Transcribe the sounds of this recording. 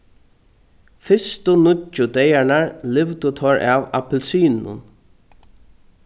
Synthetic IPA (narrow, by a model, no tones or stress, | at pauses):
fɪst̪ʊnʊʊd̪ɛjaɹɳaɹlɪʋt̪ʊt̪ʰɔɹava̰pɛlsiːnnʊ̰n